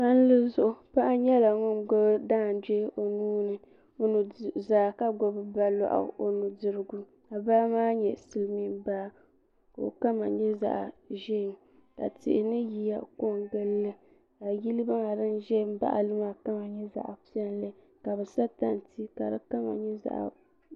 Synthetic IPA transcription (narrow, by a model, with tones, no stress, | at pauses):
a˦n̩˦lɨ˦zʊ˦ʔʊ˨pa˦ʔa˦ɲɛ˦la˨ŋɔ˦nɡɔ˦bdaː˦˨n˨dɛ˦ʔo˨nuː˦nɨ˨ | o˦nu˨zaː˨˦˨ka˦ɡɔ˨bɨ˨ba˦lɔ̰˦˨ʔa̰˨ʔo˨nu˨dɨ˦ɾɨ˦ɡu˦ | a˨baː˦maː˦ɲɛ̰˨sɨ˦lɨ˦mi˦mba˦˨ | ka˨o̰˨ka˦ma˨ɲɛ˦za̰˨ʔʒɛ˦˨ | ka̰˨tɪ̰˨ɪ˨nɨ˦ji˨ja˨ko˦˨ŋɡɨ˦lːɨ˦ | a˨ji˦lɨ˦ba˦ŋa˨dɨ˦nʒɛ˦˨m˦ba̰˦ʔa̰˨lɨ˦ma˦˨ka˦ma˨ɲɛ˦za̰˨ʔpi˦ɛ˦nlɨ˦ | ka˨bɛ˨sa˦ta˦n˨ti˦ka˨dɨ˦ka˦ma̰˨ɲɛ˦za̰˨ʔ